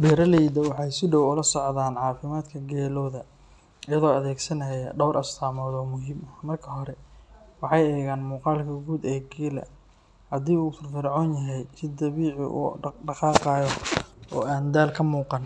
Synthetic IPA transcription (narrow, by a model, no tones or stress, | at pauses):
bɛɾɐlɛjd̪ɐwɑħɑjsɪɖɔwʊlɐsɔʕðaːnʕɑːfɪmaːd̪kʰɐɡɛːlɔːðɐ | ɪjɐðɔːɐðɛːɡsɐnɐjɐɖɔwɾʔɐst̪ʰaːmɔːðɔːmʊɦiːmɐmɐrkʰɐɦɔɾɛwɑħɑjɛːɣaːnmuːqɑːlkʰɐɡuːd̪ɛːɡiːlɐ̰ | hɐd̪iːuːt̪ɪrfɪɾʕɔːnjɐɦɛjsɪd̪ɐβiːʕɪ̰ʔṵɖɑqɑːqɑːjɔɔ̰ːaːnd̪aːlkʰɐmuːqɑn